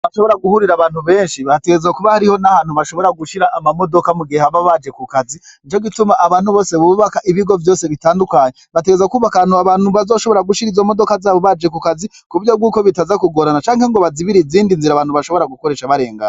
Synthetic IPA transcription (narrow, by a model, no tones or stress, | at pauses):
βaʃoβo̞ɾaɡuhuɾiɾaβaːn̥huβe̞ːnʃiβateɡeezakuβahaɾiho̞nahaːn̥huβaʃo̞βo̞ɾaɡuʃiɾaʔːmamo̞do̞kamuɡehaβaβad͡ʒe̞kukaziit͡ʃo̞ɡitumaʔːβaːn̥huβo̞ːseβuβakaʔiβiɡo̞vjo̞ːse̞βitaːndukaːɲeβateɡezakuːβakanhuaβaːnhuβazo̞ːʃo̞βo̞ɾaɡuʃiɾizo̞mo̞do̞kazaːβo̞βad͡ʒe̞kukazi | kuuɾjo̞b̚ɡuːko̞βitazakuɡo̞ɾanat͡ʃaːŋheŋɡo̞βaziβiɾiziːndinziɾaβaːn̥huβaʃo̞βo̞ɾaɡukoɾe̞ʃaβaɾe̞ːŋɡa̰